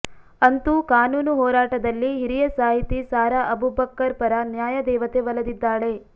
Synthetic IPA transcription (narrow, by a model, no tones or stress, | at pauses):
ɐnt̪ukaːnuːnuɦɔːɾaːʈɐd̪ɐlːiɦiɾijɐsaːɦit̪isaːɾɐʔɐbubɐkːɐɾpɐɾɐnjaːjɐd̪ɛːʋɐt̪eʋɐlɐd̪id̪ːaːɭe̞